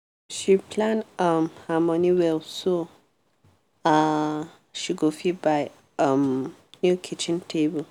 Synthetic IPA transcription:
ʃipʰlãnamhamɔniwɛlso | a | ʃiɡofibaj | ʌmnjukʰit͡ʃĩntʰebəl

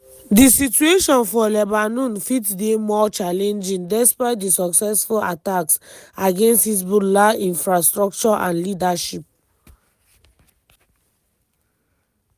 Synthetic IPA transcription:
disitueʃɔ̃nfɔlɛbanũnfitdemɔt͡ʃalɛ̃nd͡ʒĩŋdɛspaɪt̚disɔksɛsfula̰taksaɡẽnsthis̬budlaĩnfɹastɹɔk̚t͡ʃɔʔã̰nlidaʃip̚

